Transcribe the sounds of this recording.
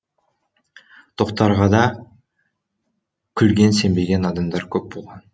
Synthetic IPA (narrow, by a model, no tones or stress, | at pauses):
t̪ʰo̞qt̪ɑɾʁɑd̪ɑ | kʲʰʏlɡʲe̞nse̞mbe̞ɡʲe̞nɑd̪ɑmd̪ɑɾkʲʰɵp̚bo̞lˠʁɑn